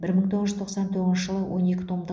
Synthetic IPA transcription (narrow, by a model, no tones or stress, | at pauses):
bɪɾməɴt̪ʰo̞ʁəʒʏzt̪oqsɑnt̪ʰɵʁznʃɪʒəlˠəwʔo̞ne̞kʲɪ̥t̪ʰomd̪